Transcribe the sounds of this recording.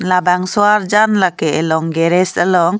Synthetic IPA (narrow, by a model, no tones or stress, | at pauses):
labaŋsɔaɾd͡ʒanlakɛɛlɔŋɡɛɾɛsəlɔŋ